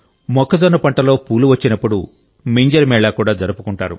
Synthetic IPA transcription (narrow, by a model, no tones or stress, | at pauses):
mɔkːɐd͡zɔnːɐpɐɳʈɐlo̞ːpuːluʋɐt͡ʃːinɐpːuɽṵ | meːɲd͡ʒɐɾmɛːɭaːkuːɽaːd͡ʒɐɾupukuɳʈaːɾṵ